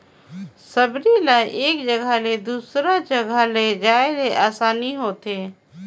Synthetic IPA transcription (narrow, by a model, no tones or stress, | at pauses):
səbɾilaːiʔeːkd͡ʒəɡʱaled̪uːsɾad͡ʒəɡʱaled͡ʒaːɪleʔaːsaːniɦoːt̪eː